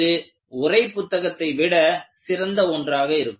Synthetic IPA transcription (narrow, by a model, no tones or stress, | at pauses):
ɯ | ʊrɐɪpːʊt̪ːɐɣɐt̪ːɐɪʋɪɽɐsɪɾɐnd̪ɐɔndraːɣɐɪɾɯkː